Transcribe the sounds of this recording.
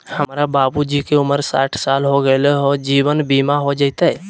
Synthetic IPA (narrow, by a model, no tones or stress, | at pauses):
həmɾababud͡ʒikeuməɾsa̰ʈʰsalɦoɡəleɦod͡ʒiʋənbimaɦod͡ʒəjt̪ɛ